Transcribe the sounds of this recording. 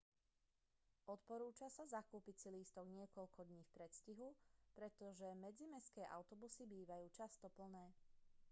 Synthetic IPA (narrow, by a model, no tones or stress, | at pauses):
ʔɔt̪pɔɾuːt͡ʃasazakuːpit͡siliːst̪ɔɡɲɪɛkɔʎkʰɔd̪ɲiːfpɾɛt̪sciɦupɾɛt̪ɔʒɛmɛd͡zimɛskɛːʔa̰ʊt̪ɔbusibiːʋajuːt͡ʃast̪ɔpl̩nɛː